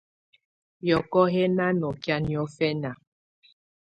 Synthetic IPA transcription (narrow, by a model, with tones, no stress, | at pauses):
jɔ˨kɔ˦ɦɛ˦na˦nɔ˨kja˦njɔ˨˦fɛ˦na˨